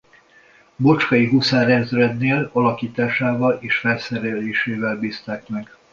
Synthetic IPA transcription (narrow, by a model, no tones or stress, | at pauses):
bo̞t͡ʃkɒjiɦusaːɾɛnzrɛd̪neːlɒlɒkiːt̪aːʃaːvɒleːʃfɛlsɛɾɛleːʃeːvɛlbiːst̪aːkmɛɡ